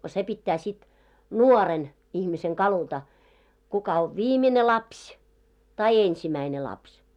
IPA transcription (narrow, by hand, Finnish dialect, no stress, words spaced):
se pitːæː sit nuɔren ihmiseŋ kɑlutɑ kukɑ oʋ ʋiːmine lɑpsʲ tɑi ensimæine lɑpsʲ